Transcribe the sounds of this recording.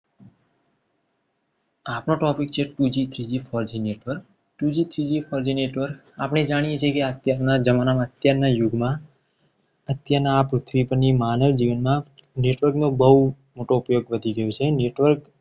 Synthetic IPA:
apnoʈɔpikt͡ʃʰeʈud͡ʒit̪ʰɾid͡ʒifʰɔɾd͡ʒineʈʋəɾk | ʈud͡ʒit̪ʰɾid͡ʒifʰɔɾd͡ʒineʈʋəɾk | apɽ̃ed͡ʒaɽ̃ijet͡ʃʰekeat̪jaɾnad͡ʒəmanamãət̪jaɾnajuɡmã | ət̪jaɾnaːpɾut̪ʰʋipəɾnimanəʋd͡ʒiʋənmã | neʈʋəɾknobəɦu | moʈoupjoɡʋəd̪ʱiɡəjot͡ʃʰeneʈʋəɾk

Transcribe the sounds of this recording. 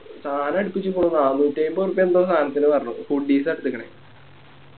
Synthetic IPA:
saːnɐɐɽipːit͡ɕːɨpːoɳːunaːnːutːejimborupːɐend̪o̞ːst̪ʰaːnɐt̪ːinɨpɐrɐnːṵfuɖ̚ɖiːs̬ɐɽt̪ːɨkːɐɳḛ

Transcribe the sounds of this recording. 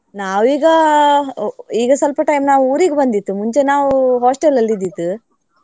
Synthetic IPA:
naːʋiːɡɐ | iːɡɐsɐlpɐʈɐjmnaːʋuːɾiːɡebɐnd̪it̪ːumuɲt͡ʃe̞naːʋuɦoːsʈelɐlːid̪ːit̪ːu

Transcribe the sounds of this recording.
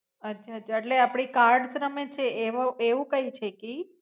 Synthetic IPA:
ətːt͡ʃʰaət̪ːt͡ʃʰaeʈleapɽ̃ikaɾɽsɾəmet͡ʃʰeeʋoeʋũkəit͡ʃʰeki

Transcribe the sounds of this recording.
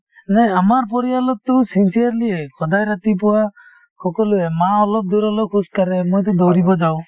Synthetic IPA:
nɛamaɾpɔɾijalɔt̪ːɔsinsiaɾliekʰɔd̪ajɾat̪ipɔwa | kɔkɔluemaɔlɔp̚d̪uɾɔlɔkʰuskaɾɛmojt̪̬ɔd̪ɔwɾibɔd͡ʒaw

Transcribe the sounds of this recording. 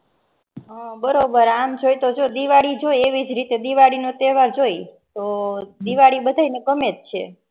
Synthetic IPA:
bəɾobəɾamd͡ʒojt̪od͡ʒod̪iʋaɽid͡ʒojeʋid͡ʒɾit̪ed̪iʋaɽinot̪eʋaɾd͡ʒojt̪od̪iʋaɽibəd̪ʱajnekəmet̪̚t͡ʃʰe

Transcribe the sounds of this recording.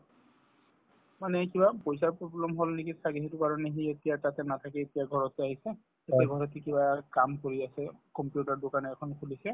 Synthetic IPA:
manɛkibapojsaɹpɹɔblɛmɦolnekisaɡiɦetʊkaɹɔneɦietijatatɛnatʰakɛetijaɡʱɔɹɔtɛaɦisɛ | etiaɡʱɔɹɔt̬ɛkibakamkoɹiasɛkɔmpjutaɹdokanɛːkʰɔnkʰulisɛ

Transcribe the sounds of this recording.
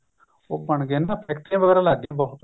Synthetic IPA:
oːbəɳɡeːnãːpʰɛːkʈãːʋəɡɛːɾaːlaːd̪ɪãbɔɦʊt̪

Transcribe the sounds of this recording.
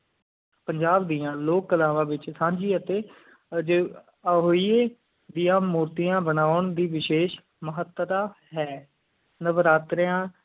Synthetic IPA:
pəɲd͡ʒaːbd̪iːãːloːkːəlaːʋãːʋɪt͡ʃsãːɲd͡ʒiːət̪eː | d͡ʒeː | ɦoːiːeː | d̪ijãːmuːɾt̪ijãːbənaːʊɳd̪iːʋɪʃeːʃ | məɦət̪t̪aː | ɦɛː | nəʋəɾaːt̪ɾəjãː

